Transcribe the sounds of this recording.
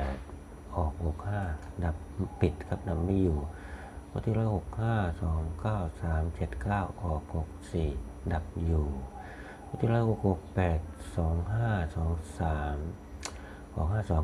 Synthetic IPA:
t̪̚ | ʔɔː˨˩k̚ho˨˩k̚haː˥˩da˨˩p̚ːi˨˩t̪̚kʰa˦˥p̚da˨˩p̚miː˧˩juː˨˩ | wa˦˥t̪ʰi˧˥ɾlɔː˦˥ho˨˩k̚haː˥˩sɔː˩˦ŋkaː˥˩wsaː˩˦mt͡ɕe˨˩t̪̚kaː˥˩wʔɔː˨˩k̚ho˨˩k̚siː˨˩da˨˩p̚juː˨˩ | wa˧˥˩t̪ʰiː˧˩ɾɔː˦˥˩ho˨˩k̚ho˨˩k̚pɛː˨˩t̪̚sɔː˩˦ŋɦaː˥˩sɔː˩˦ŋsaː˩˦m | hɔː˨˩k̚haː˥˩sɔː˨˩˦

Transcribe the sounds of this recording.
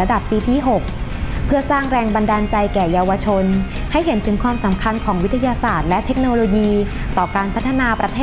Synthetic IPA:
a˧da˨˩pːiː˧t̪ʰiː˥˩ɦo˨˩k̚pʰɯ˥˩ɐsaː˥˩ŋɾɛː˧ŋba˧ndaː˧nt͡ɕa˧jkɛː˨˩jaː˧wa˧t͡ɕʰo˧nha˥˩jɦe˩˦nt̪ʰɯ˩˦ŋkʰwaː˧msa˩˦mkʰa˧nkʰɔː˩˦ŋwi˦˥t̪ʰːa˧jaː˧saː˨˩t̪̚lɛ˦˥t̪ʰːe˦˥k̚noː˧loː˧jiː˧ | t̪ɔː˨˩kaː˧npʰa˦˥t̪ʰːa˧naː˧pɾa˧t̪ʰeː˥˩

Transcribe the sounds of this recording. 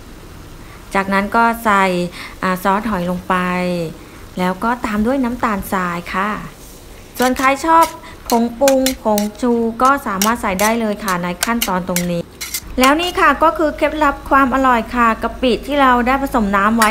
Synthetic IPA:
t͡ɕaː˨˩k̚na˦˥nkɔː˥˩sa˨˩jʔaː˨˩sɔː˦˥t̪̚ɦɔ˩˦jlo˧ŋpa˧j | lɛː˦˥wkɔː˥˩t̪aː˧mdu˥˩əjnaː˦˥mt̪aː˨nsaː˧jkʰa˥˩ | su˨˩ənkʰaː˨˥jt͡ɕʰɔː˥˩p̚ʰː | o˩˦ŋpu˧ŋpʰo˩˦ŋt͡ɕʰuː˧kɔː˥˩saː˩˦maː˥˩t̪̚sa˨˩jdaː˥˩jlɤː˧jkʰa˥˩na˧jkʰa˥˩nt̪ɔː˧nt̪o˧ŋniː˦˥lɛː˦˥wniː˥˩kʰa˥˩kɔː˥˩kʰɯː˧kʰe˦˥˩p̪̚la˦˥p̚kʰwaː˧mʔa˧ɾɔ˨˩jkʰa˥˩ka˨˧˩piː˨˩t̪ʰːiː˥˩ɾa˧wdaː˥˩jpʰa˧so˩˦mnaː˦˥mwa˦˥j

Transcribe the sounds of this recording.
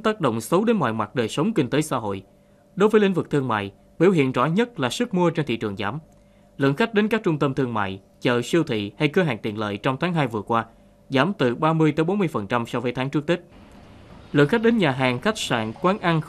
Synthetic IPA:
t̪aː˦˥k̚ɗo̰˧˨wŋ͡msə˨˦wɗe˨˦nmwa̰ː˧˨jmwa˨˩ɗəː˨˩jsə˨˦wŋ͡mkï˧ŋ̟t̪əː˨˦jsa̰ː˧˥ɦo̰˧˨j | ɗo˨˦jvəː˨˦jlï˧ŋ̟vɨ˨˩k̚t̪ʰɨ˧əŋma̰ː˧˨j | ɓḭ˧˩whḭ˧˨ənzɔ̰˧˥ɲə˦˥t̚laː˨˩sɨ˦˥k̚mu˧ət͡ɕe˧nt̪ʰḭ˧˨t͡ɕɨ˨˩ŋzaː˨˦m | lɨ̰˧˨əŋxa˦˥k̚ɗe˨˦nkaː˦˥k̚t͡ɕʊ˧ŋ͡mt̪ə˧mt̪ʰɨ˧əŋma̰ː˧˨j | t͡ɕə̰ː˧˨˩si˧əwt̪ʰḭ˧˨ha˧jkəː˧ɦa̰ː˨˩ŋt̪ḭ˧˨nlə̰ː˧˨jt͡ɕɔ˧wŋ͡mt̪ʰaː˨˦ŋɦaː˧jvɨ˨˩əkwaː˧ | zaː˨˦mt̪ɨ˨˩ɓaː˧mɨ˧əjt̪eː˨˦jɓo˨˦nmɨ˧əjfə˨˩nt͡ɕa˧msɔ˧vəː˨˦jt̪ʰaː˨˦ŋt͡ɕɨ˦˥ək̚t̪i˦˥ | lɨ̰˧˨əŋxa˦˥k̚ɗe˨˦nɲaː˨˩ɦaː˨˩ŋxa˦˥jk̟̚sa̰ː˧˨nkwaː˨˦nʔa˧n

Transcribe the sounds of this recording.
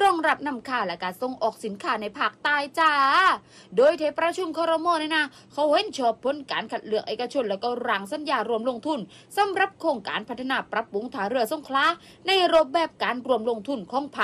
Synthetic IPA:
ɾɔː˧˨ŋɾa˧˥p̚na˧˩˨mkʰaː˧˩lɛ˧˥kaː˨˩nso˧˩ŋʔɔː˨˩k̚si˨˦nkʰaː˧˩na˧˩jpʰaː˧˩k̚t̪aː˧jt͡ɕaː˧˩ | doː˧˨jt̪ʰeː˨˧˥pɾa˧˥t͡ɕʰu˧mkʰɔː˧ɾo˧mɔː˧ni˧˩na˧˥ | kʰa˧˥˩whe˧˥˨nt͡ɕʰɔː˧˩pʰːo˧˥˨nkaː˨˦nkʰa˨˩t̪̚lɯ˨˩ək̚ʔeː˨˩ka˧t͡ɕʰo˧˩nlɛː˦˧˥wkɔː˧˩ɾaː˨˩ŋsa˧˥˦njaː˧˩ɾu˧əmlo˧˨ŋt̪ʰu˧˩n | sa˨˦mɾa˧˥˦p̚kʰoː˧ŋka̰ː˨˦npʰt̪ʰːa˧naː˧˩pɾa˧pːu˨˦ŋt̪ʰaː˨˦ɾɯ˧˩ɐso˧˥nkʰlaː˧˥ | na˧˩jɾo˧˥p̚bɛː˧˨˩p̚kaː˨˦nɾu˧˩əmlo˧ŋt̪ʰu˧˩nkʰɔː˨˧˥ŋpʰa˧˩

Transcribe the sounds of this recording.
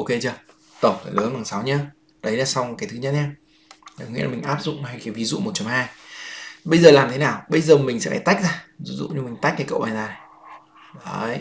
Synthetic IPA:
ʔo˧ke˧t͡ɕə˧ | t̪ə˨˩ŋ͡mfa˨˩lə˨˦nɓaː˨˩ŋsa˨˦wɲaː˨˦ | ɗə˨˦jlaː˨˩sa˧wkaː˨˦jt̪ʰɨ˨˦ɲə˦˥t̚ɲaː˧ | a˨˩kɔ˦ŋḭ˧˥˨lːmï˨˩ŋ̟ʔaː˦˥p̚zʊ̰˧˨ŋ͡mhaː˧jkaː˨˦jvi˨˦zṵ˧˨mo˨˩t̚t͡ɕɔ˨˦ŋ͡mhɦaː˧j | ɓə˧jzəː˨˩laː˨˩mt̪ʰe˨˦naː˨˩wɓə˧jzəː˨˩mï˨˩ŋ̟sɛ̰˧˥faː˧˩t̪a˦˥k̚zaː˧zi˨˧˦zṵ˧˨ɲɨ˧mi˨˩ŋ̟t̪a˦˥k̟̚ɗaː˨˧˩kə̰˧˨wʔaː˨˩nzaː˨˩n˨˩ | ə˧˩j

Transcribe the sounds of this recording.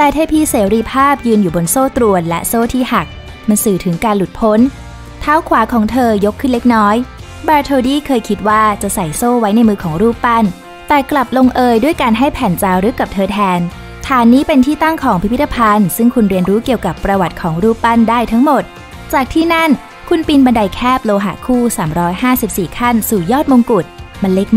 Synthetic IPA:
t̪ɛː˧˩t̪ʰaː˥˩pʰiː˧˥˩seː˩˦ɾiː˧pʰaː˥˩p̚jɯː˧njuː˨˩bo˧nsoː˥˩t̪ɾu˧ənlɛ̰˦˥ʔsoː˥˩t̪ʰiː˥˩ha˨˩k̚ | ma˧nsɯː˨˩t̪ʰɯ˩˦ŋkaː˧nlu˨˩t̪̚pʰo˦˥n | t̪ʰaː˦˥wkʰwaː˩˦kʰɔː˩˦ŋt̪ʰɤː˧jo˦˥kʰːɯ˥˩nle˦˥k̚nɔː˦˥j | baː˧t̪ʰoː˧diː˥˩kʰɤː˧jkʰi˦˥t̪̚waː˥˩t͡ɕa˨˩ʔsa˨˩jsoː˥˩wa˦˥jna˧jmɯː˧kʰɔː˩˦ŋɾuː˥˩pːa˥˩n | t̪ɛː˨˩kla˨˩p̚lo˧ŋʔɤː˧jdu˥˩əjkaː˧nɦa˥˩jpʰɛː˨˩˦nt͡ɕaː˧wɾɯ˨˦˥ka˨˩p̚t̪ʰɤː˧t̪ʰɛː˧n | t̪ʰaː˨˦nːiː˦˥pe˧nt̪ʰiː˥˩t̪a˥˩ŋkʰɔː˩˦ŋpʰi˦pʰi˦˥t̪ːa˧pʰa˧nsɯ˥˩ŋkʰu˧nɾi˧ənɾuː˦˥ki˨˩əwka˨˩pːɾa˧wa˨˩t̪̚kʰɔː˩˦ŋɾuː˥˩pːa˥˩ndaː˥˩jt̪ʰa˦˥ŋmo˨˩t̪̚ | t͡ɕaː˨˩k̚t̪ʰiː˥˩na˥˩n | kʰu˧npi˧nba˧nda˧jkʰɛː˥˩p̚loː˧ɦa̰˨˩kʰuː˥˩saː˩˦mɾɔː˦˥jhaː˥˩si˨˩p̚siː˨˩kʰa˥˩nsuː˨˩jɔː˥˩t̪̚moː˧ŋku˨˩t̪̚ma˧nle˦˥k̚

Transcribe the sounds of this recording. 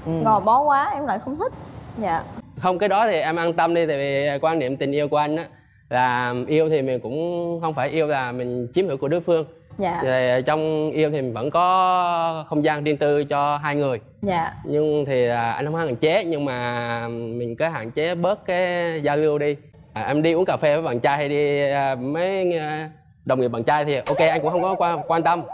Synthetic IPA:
ʔɣɔ˨˩jɓɔ˨˦kwaː˨˦ʔɛ˧mla̰ː˧˨jxə˧wŋ͡mt̪ʰï˦˥t̚za̰ː˧˨xə˧wŋ͡mkaː˨˦jɗɔ˨˦t̪ʰi˨˩ʔɛ˧mʔaː˧nt̪ə˧mɗi˧t̪ʰa˨˩vi˨˩˨kwaː˧nḭ˧˨əmt̪ï˨˩ŋ̟ʔi˧əwku˧˩ə˦ʔa˧ŋ̟ʔaː˨˦ | laː˨˩ʔi˧əwt̪ʰi˨˩mï˨˩ŋ̟kʊ̰˧˥ŋ͡mxə˧wŋ͡mfaː˧˩jʔi˧əwlaː˨˩mï˨˩ŋ̟t͡ɕi˨˦mhi˧˥ku˧˩əɗu˨˦jfɨ˧əŋ | zaː˧˨t̪ʰi˨˩˨t͡ɕɔ˧wŋ͡mʔi˧əwt̪ʰi˨˩ï˨˩ŋ̟və̰˧˥nkɔ˨˦ | xə˧wŋ͡mzaː˧ŋzi˧ənt̪ɨ˧t͡ɕɔ˧ɦaː˧jŋɨ˨˩əj | aː˧˩˨ɲɨ˧ŋt̪ʰi˨˩˨a˧ŋ̟hə˧ŋ͡mhaː˨˦ŋʔa˧˩ŋt͡ɕe˨˦ɲɨ˧ŋmaː˨˩mï˨˩ŋ̟kaː˨˦ɦa̰ː˧˨nt͡ɕe˨˦ɓə˦˥t̚kaː˨˦jzaː˧lɨ˧əwɗi˧˩ | ʔɛ˧mɗi˧ʔu˦əŋkaː˨˩fɛ˧vəː˨˦jɓaː˨˩t͡ɕaː˧jha˧jɗi˧˨mə˨˦j | ɗə˨˩wŋ͡mŋi˨˩ɓaː˨˩t͡ɕaː˧jt̪ʰi˨˩ʔo˧ke˧ʔa˧jŋkʊ̰˧˥ŋ͡mhə˧wŋ͡mkɔ˨˦kwa˧kwaː˧nt̪ə˧m

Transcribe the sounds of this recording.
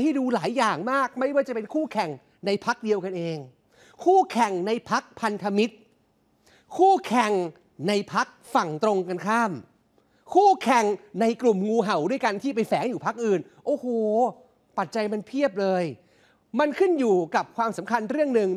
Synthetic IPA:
ha˥˩jduː˧laː˩˦jːaː˨˩ŋmaː˥˩k̚ma˥˩jwaː˥˩t͡ɕa˨˩pe˧nkʰuː˥˩kʰɛ˨˩ŋ | na˧jpʰa˦˥k̚di˧əwka˧nʔeː˧ŋ | kʰuː˥˩kʰɛ˨˩ŋna˧jpʰa˦˥k̚pʰa˧nt̪ʰa˧mi˦˥t̪̚ | kʰuː˥˩kʰɛ˨˩ŋ | na˧jpʰa˦˥k̚fa˨˩ŋt̪ɾo˧ŋka˧nkʰaː˥˩m | kʰuː˥˩kʰɛ˨˩ŋna˧jklu˨˩mŋuː˧ɦa˨˩wdu˥˩əjka˧nt̪ʰiː˥˩p̬a˧jfɛː˩˦ŋjuː˨˩pʰa˦˥k̚ʔɯː˨˩n | ʔoː˧˩hoː˨˩ | pa˨˩t̪̚t͡ɕa˧jma˧npʰi˥˩əp̬̚lɤː˧j | ma˧nkʰɯ˥˩njuː˨˩ka˨˩p̚kʰwaː˧msa˩˦mkʰa˧nɾɯ˥˩əŋnɯ˨˩ŋ

